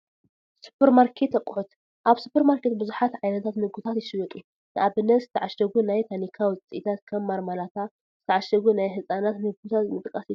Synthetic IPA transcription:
su̥pʰeɾmaɾkʰe̞t̪ːɐkʼːħut̪ | ʔaβsupʰːeɾmaɾkʰet̪̚bɨzuħat̪ʕajnɐt̪ʰat̪mɨɡut̪ʰat̪jɪʃɨwɐt̪ʼi | nɨʔaβɨnːɐt̪zɨt̪ʰɐʕaʃɐɡunajt̪ʰanikʰawɨt͡sʼiʔit̪ʰat̪kʰɐmːaɾmalat̪ʰa | zɨt̪ʰɐʕaʃɐɡunajħɨsʼanat̪mɨɡut̪ʰat̪nɨt̪ʼɨkʼɐsi

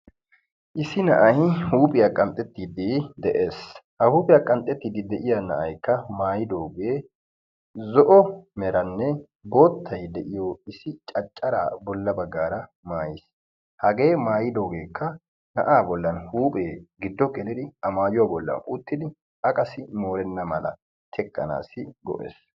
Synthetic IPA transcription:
ʔɪsɪnɐ̰ʔɐjhuːpʼɪjaːkʼɐnt̪ʼːɛt̪ːiːd̪ɪd̪ɛʔeːshɐhuːpʼɪjaːkʼɐnt̪ʼːɛt̪ːiːd̪ɪd̪ɛʔɪjanɐ̰ʔɐ̰jkːɐmaːjɪd̪o̞ːɡe̞ː | zɔʔɔmɛɾɐnːɛ | bo̞ːt̪ʰːɐjd̪ɛʔɪjɔɪsɪt͡ʃʼɐt͡ʃʼːɐɾa̰ːbɔlːɐbɐɡːaːɾɐ | maːjɪs | hɐɡe̞ːmaːjɪd̪o̞ːɡe̞ːkːɐ | nɐ̰ʔaːbɔlːɐnhuːpʼeːɡɪd̪ːɔkɛlɪd̪ɪɐmaːjʊwaːbɔlːɐ̰nʊt̪ːɪd̪ɪ | ɐkʼɐsɪmo̞ːɾɛnːɐmɐlɐ̰ | t̪ʰɛkʼːɐ̰na̰ːsɪɡɔ̰ʔḛːs

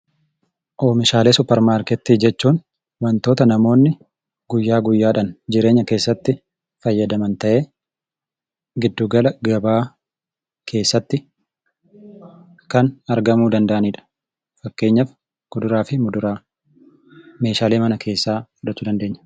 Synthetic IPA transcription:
ʔoːmɪʃaːleːsʊpɛɾmaːɾkɛt̪ːiːd͡ʒɛt͡ʃːuːn | wɐnt̪o̞ːt̪ɐnɐmo̞ːnːɪ | ɡʊjːaːɡʊjːaːᶑɐnd͡ʒɪɾe̞ːɲːɐke̞ːsːɐt̪ːɪ | fɐjːɐd̪ɐmɐnt̪ɐʔe̞ː | ɡɪd̪ːuːɡɐlɐɡɐbaː | kʰe̞ːsːɐt̪ːɪ | kɐnɐɾɡɐmuːd̪ɐnd̪ɐʔɐniːᶑɐ̥ | fɐkːe̞ːɲːɐf | ɡ̥ʊd̪ʊɾaːfɪmʊd̪ʊɾaː | me̞ːʃaːleːmɐnɐkʰe̞ːsːaːʊᶑɐt͡ʃ̪ːuːd̪ɐnd̪eːɲːɐ̥

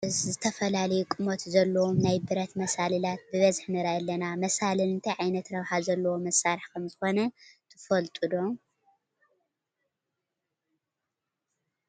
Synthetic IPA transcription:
ʔɨzzɨt̪ʰɐfɐlalɐjukʼɨmot̪zɐlːɐwomnajbɨɾɐt̪mɐsalɨlat̪̚bɨβɐzħnɨɾɐʔɐlːɐnamɐsalɨlɨnt̪ʰajʕajnɐt̪ɾɐβħazɐlːɐwomɐsːaɾɨħkʰɐmzɨxo̞nɐt̪ʰɨfɐlt̪ʼud̪o̞

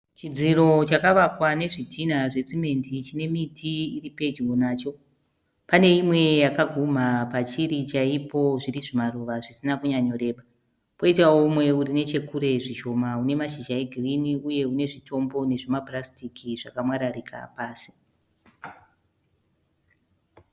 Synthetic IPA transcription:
t͡ʃid͡ziɾo̞t͡ʃakaʋakwane̞ʐitinaʐe̞t͡sime̞ndit͡ʃine̞mitʰiiripe̞d͡ʒwonaːt͡ʃo̞ | pane̞imwe̞jakaɡʱum̤apat͡ʃiɾit͡ʃaipo̞ʐiriʐimaruʋaʐisinakuɲaɲo̞ɾe̞ːɓa | poitaomwe̞urine̞t͡ʃe̞kuɾe̞ʐiʃo̞maune̞maʃiʒaeɡʱiriniuje̞une̞ʐito̞mbo̞ne̞ʐimablastikʰiʐakamwaɾarikʰa̰paːsi̥

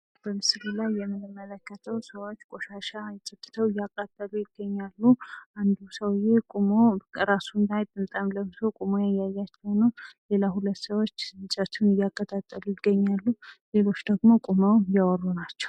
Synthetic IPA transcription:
b̥əmɨsɾilajːɛmːɨnɨmːələkːət̪ʰəwsəwo̞t͡ʃːkʼoʃaʃajsʼɨt̪ʼːɨ̥t̪ʰəwɪjːakʼːat̪ʼːəlujɪɡ̥ːəɲːalːuʔand̪usəwɪjekʼumoɾasunt̪ajt̪ʼɨnt̪ʼamləmsʰokʼumojajajːat͡ʃːɛwnəwle̞lahulət̪ːsəwo̞t͡ʃːɨt͡ʃʼət̪ʰunɪjakʼːət̪ʼat̪ʼːəlujɪɡːəɲːalːule̞lot͡ʃːd̪əɡmo̞kʼuməwjawɔrːunat͡ʃːɛ̥w

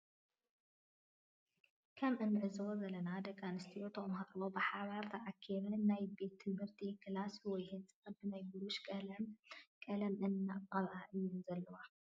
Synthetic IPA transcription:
kʰɐmʔɨnːʕɨzwozɐlɐnad̪ɐkʰʼːanɨst̪ʰiut̪ʰomɦat̪lobɨħaβaɾt̪ʰɐʕakʰːiɾɐnajbet̪ʰːɨbɨɾt̪ʰikʰɨlaswɔjhɨt͡sʼɐbɨnajbuɾuʃkʼɐlɐmkʼɐlɐmɨnːatʼɐd̪ʕaʔɨjːunzɐlːɐwa

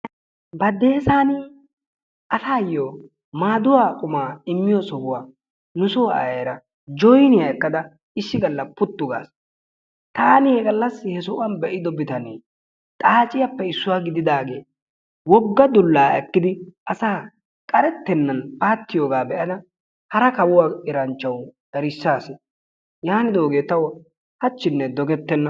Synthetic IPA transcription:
bɐd̪eːsaːnɪ | ɐsaːjːoː | maːd̪ʊwaːkʼʊmaːɪmːɪjɔsɔhʊwaː | nʊsʊwa̰jɾɐ | d͡ʒɔjnɪjaɛkːɐd̪ɐ | ɪʃːɪɡɐlːɐpːʊt̪ːʊɡa̰ːs | t̪aːnɪhɛɡɐlːɐsːɪhɛsʊʔɐnbɛʔɪd̪ɔbɪt̪ɐnḛː | t̪ʼaːt͡ʃʼɪjɐpːɛɪsːʊwaːɡɪd̪ɪd̪aːɡe̞̰ː | wɔɡːɐd̪ʊlːaːɛkːɪd̪ɪʔɐsaː | kʼɐɾɛt̪ːɛnːɐnpaːt̪ːɪjo̞ːɡaːbɛʔɐd̪ɐ | hɐɾɐkɐwʊwaːɪɾɐnt͡ʃːɐwd̪̥ɐɾɪsːaːsɪ | jaːnɪd̪oːɡe̞ːt̪ːɐwɔ | hɐt͡ʃːɪnːɛd̪ɔɡɛt̪ːɛnːɐ

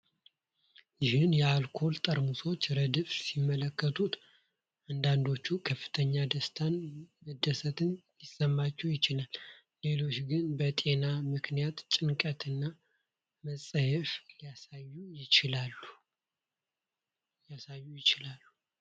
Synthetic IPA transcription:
jɪhɨnjɛalkʰo̞lt̪ʼəɾmuso̞t͡ʃːɾəd̪ɨfsimːələkːət̪ʰut̪ | and̪and̪o̞t͡ʃːukʰəfːɨ̥t̪ʰəɲːad̪əst̪ʰanmɨd̪ːəsət̪ɨnjɪsːəmːat͡ʃːɛwjɪt͡ʃɪlalː | e̞lo̞t͡ʃɡɨnbət̪ʼe̞namɨknijat̪t͡ʃʼɪnkʼət̪ʰɨnːa | məsʼəhɛfliasajujɪɪlalu | jasajːujɪt͡ʃɪlalːu

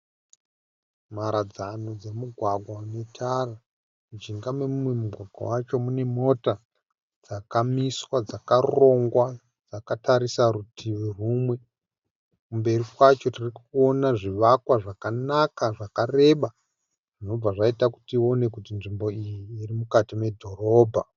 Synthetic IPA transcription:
maɾad͡zano̞d͡ze̞muɡʱwaɡʱwane̞tʰara | mud͡ʒiŋɡamemumwe̞muɡʱwaɡʱwa̰wat͡ʃo̞mune̞mo̞ta | d͡zakamiswad͡zakaro̞ŋɡwa | d͡zakataɾisaɾutʰiʋiruːmwe̞ | kumbe̞rikwat͡ʃo̞tirikuo̞naʐiʋakwaʐakanakaʐakare̞ɓa | ʐ̥ino̞b͡vaʐaitaku̥tio̞ne̞kutinʐimbo̞ijiːrimukatime̞dʱo̞ro̞ːbʱa

